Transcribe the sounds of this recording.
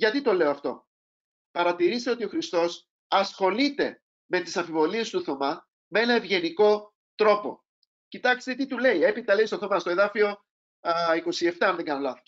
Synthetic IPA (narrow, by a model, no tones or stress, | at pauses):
ʝɐt̪it̪o̞le̞oɐft̪o̞̰ | pɐɾɐt̪iɾist̪e̞o̞t̪io̞xɾist̪o̞s | ɐsxo̞lit̪e̞ | me̞t̪isɐɱfivo̞lie̞st̪uθo̞mɐ | mee̞nɐevʝe̞niko̞ | t̪ɾo̞po̞̰ | cit̪ɐkst̪et̪it̪ule̞ie̞pit̪ɐleist̪oθo̞mɐst̪o̞e̞ðɐfio̞ | iko̞sie̞ft̪ɐɐnðeŋɡɐnolɐθo